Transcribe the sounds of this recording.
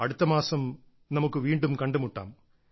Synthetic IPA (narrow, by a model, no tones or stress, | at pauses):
ɐɽut̪ːɐmaːsɐm | nɐmukːɨʋiːɳɖumkɐɳɖumuʈːa̰ːm